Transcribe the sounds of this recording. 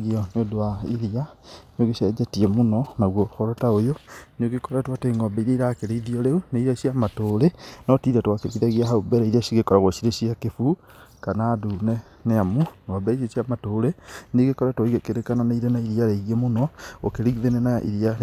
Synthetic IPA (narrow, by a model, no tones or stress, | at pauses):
ɣiɔnodowaiɾianeoɣeʃɛd͡ʒɛtiɛmonɔnaɣwɔxɔɾɔtaojonoɡekɔɾɛtwateŋɡɔbɛiɾeiɾakeɾeiðiɔɾeuneiɾaɕiamatoɾenɔtiðatwakeɣiðaɣiaɦaubɛɾɛiɾiaʃiɣekɔɾaɣoʃiɾeɕiakefu | kanaːdunɛ | neamuŋɔbɛiʃeʃiamatoːɾeneɡekɔɾɛtwoiɣekeɾekananaiɾenaiɾiaɾeiɣiemonɔo̰keɾiɣiðenɛnaʔḭɾia